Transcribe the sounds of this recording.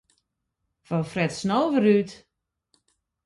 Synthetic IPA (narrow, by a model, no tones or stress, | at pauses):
fɔfrɛtsnowvəɾyt